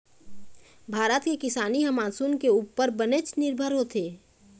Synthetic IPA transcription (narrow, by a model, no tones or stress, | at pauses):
bʱaːɾət̪kekɪsaːniɦəmaːsunkeuːpəɾbənet͡ʃnɪɾbʱəɾɦoːt̪eː